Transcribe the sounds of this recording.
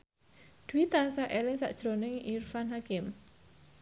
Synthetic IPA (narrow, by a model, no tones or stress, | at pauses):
d̪̥uwit̪ansaʔelɪŋsa̰ʔd̥ʒ̥ɾonɪŋirfanɦakɪm